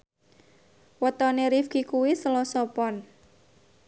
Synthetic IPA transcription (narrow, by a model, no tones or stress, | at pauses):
wət̪ɔneɾifɡ̥ikuwisəlɔsɔpɔn